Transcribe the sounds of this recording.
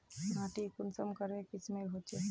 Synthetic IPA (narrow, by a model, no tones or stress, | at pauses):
naʈikʊnsəmkəɾekɪsmeɦot͡ʃʰe